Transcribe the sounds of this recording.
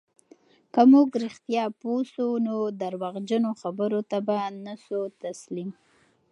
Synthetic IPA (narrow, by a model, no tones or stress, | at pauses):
kamuɡɾɪxt̪jɑposunod̪aɾwaɣd͡ʒənoxabəɾot̪abanasut̪aslim